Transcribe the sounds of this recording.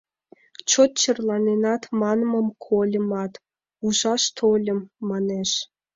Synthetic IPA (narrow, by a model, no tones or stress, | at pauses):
t͡ɕot̪̚t͡ɕə̆rlɑnenɑt̪mɑnmə̆mkʰolʲə̆mɑt̪ | uʒɑʃt̪ʰolʲə̆mːɑneʃ